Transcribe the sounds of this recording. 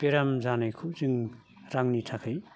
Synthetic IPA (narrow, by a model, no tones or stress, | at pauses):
peɾamzanajkʰuziŋ | ɾaŋnitʰakʰɯj